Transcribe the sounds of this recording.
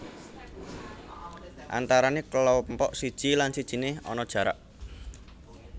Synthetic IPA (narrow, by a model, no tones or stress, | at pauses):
ʔa̰nt̪aɾanekəlɔmpɔʔsid̥ʒ̥ilansid̥ʒ̥i̤neɔ̰nɔd̥ʒ̥ä̤ɾa̰ʔ